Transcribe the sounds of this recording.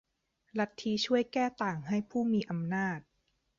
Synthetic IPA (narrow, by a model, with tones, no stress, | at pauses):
la˨˧˩t̪ʰːiː˧t͡ɕʰu˥˩əjkɛː˥˩t̪aː˨˩ŋɦa˥˩jpʰuː˥˩miː˧ʔa˧mnaː˥˩t̪̚